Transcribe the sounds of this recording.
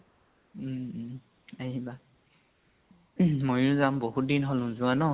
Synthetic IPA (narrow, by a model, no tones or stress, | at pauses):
aɦiba | mojʊzamboɦut̚dinɦolʊ̃zuanɔ